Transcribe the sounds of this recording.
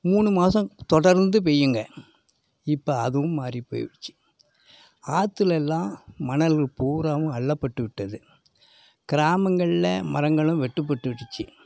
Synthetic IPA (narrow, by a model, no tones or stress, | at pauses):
muːɳɯmaːsɐ̃t̪ɔɽɐɾnd̪ɯp̬ejːɯŋɡɐ | ɪpːɐɐðɯʋɯ̃mːaːripo̰ːjʋɐt͡ʃːɯ̥ | aːt̪ːɯlɛlːãːmɐnɐlɣɐɭpuːɾaːmɯ̃ɐɭːɐpːɐʈːɯʋɪʈːɐðɯ | kɪɾaːmɐŋɡɐɭɪlɐmɐ̰ɾɐŋɡɐɭɯ̃ʋɛʈːɯp̬ːɐʈːɯʋɪʈːɯt͡ʃːɯ